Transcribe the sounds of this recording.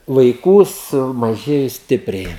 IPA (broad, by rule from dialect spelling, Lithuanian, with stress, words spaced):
ʋɐɪˈkuː sʊmɐˈʒʲeːjʊ ˈsʲtʲɪpʲrʲɛɪ